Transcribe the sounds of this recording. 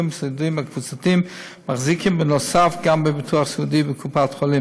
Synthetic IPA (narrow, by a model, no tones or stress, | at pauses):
msɪdumakvut͡satim | maχzikɪmbɪnɔsafɡambɪbɪtʰuaχsʊdibɪkʰupatχɔlˠɪm